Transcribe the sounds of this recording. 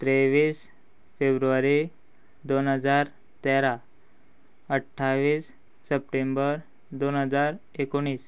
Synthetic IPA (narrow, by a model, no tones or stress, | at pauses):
t̪ɾeʋiːs | febɾuʋaɾi | d̪onɦəd͡zaɾ | t̪eɾa | əʈʰːaʋiːsː | əp̚ʈembəɾ | d̪onɦəd͡zaɾ | ekoɽ̃iːs